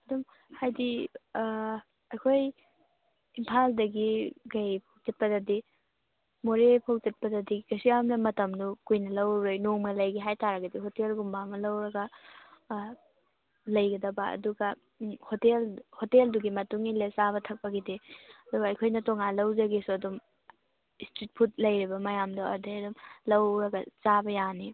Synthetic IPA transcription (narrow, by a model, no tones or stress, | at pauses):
ɐdum | hajdi | ɐjkʰoj | impʰaldɐɡiɡɐjpʰowzɐt̚pɐdɐdi | moɾepʰɐwzɐt̚pɐdɐdiɡɐsijamnɐmɐtɐmnukujnɐlɐwɾejnoŋmɐlɐjɡiɦajtaɾɐɡɐdihotelɡumbamɐlɐwɾɐɡɐ | lɐjɡɐdɐbɐɐ̰duɡɐ | hotelhotelduɡimɐtuŋilesaβɐtʰɐk̚pɐɡidiɐduɡɐɐjkʰojnɐtoŋalɐwzɐɡisuɐdum | istit̚pʰut̚lɐjɾibɐmɐjamduɐ̰dejɐdumlɐwɾɐɡɐt͡ʃabɐjani